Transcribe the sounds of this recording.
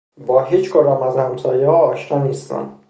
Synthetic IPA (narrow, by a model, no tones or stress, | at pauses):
bɒːɦiːt͡ʃʰkʰoɾaːmæzhæmt̪ʰɒːjehɒːʃnɒːniːst̪ʰæ̰m